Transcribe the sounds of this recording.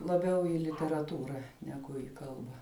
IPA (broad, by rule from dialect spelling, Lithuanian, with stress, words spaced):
lˠɐˈbʲɛʊ ɪ lʲɪtʲɛrɐˈtuːrɐ nʲɛˈɡʊ iː ˈkɐlˠbɐ